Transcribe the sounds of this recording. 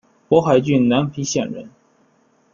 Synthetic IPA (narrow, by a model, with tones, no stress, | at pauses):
pwɔ˧˥xa˧˥ɪt͡ɕy˥˩nna˧˥npʰi˧˥ɕjɛ̰˥˩nɻə̰˧˥n